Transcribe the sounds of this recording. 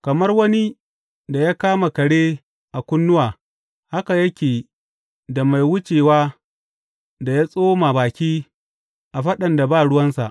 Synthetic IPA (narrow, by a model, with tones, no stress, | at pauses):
kɐ˨mɐ˦rwɐ˦ni˦ | da˨ja˦kaː˦ma˨kɐ˨ɽeː˦ | ʔa˨kʷʊ˦nːʊ˦waː˨ | ha˦ka˨jɐ˦kʲeː˨ | da˨ma˨jwʊ˦t͡ʃeː˨waː˦ | da˨ja˦sʼoː˦ma˨baː˨kʲiː˦ | ʔa˨ɸɐ˦ɗɐ˨nda˨baː˦˨ɽʊ˦wɐ˦nsa̰˨ʔ